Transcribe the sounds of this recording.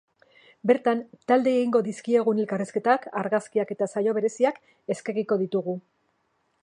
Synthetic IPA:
be̞ɾt̪ant̪ald̪e̞ːɣiŋɡo̞ðiskie̞ɣ̞unelkariske̞t̪akaɾɣaskiake̞t̪asajo̞β̞e̞ɾe̞siak | e̞ske̞riko̞ðit̪uɣ̞u

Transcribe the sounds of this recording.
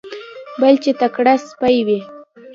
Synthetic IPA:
balt͡ʃet̪akɽaspajwi

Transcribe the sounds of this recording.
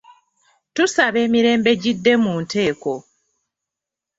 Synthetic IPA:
tusaβe̞ːmiɾe̞ːmbe̞ɟidːe̞muːnte̞ːko̞

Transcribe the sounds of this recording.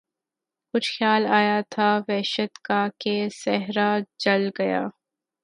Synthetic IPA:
kʊt͡ʃʰxjaːlaːjat̪ʰaʋɛːʃət̪kakesɛɦɾad͡ʒɐlɡɐja̰ː

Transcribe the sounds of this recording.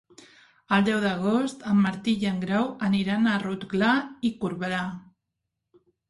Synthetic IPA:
ald̪awðaɣost̪amːaɾt̪iʎaŋɡɾawaniɾanarut̪ɡlaikuɾβeɾa

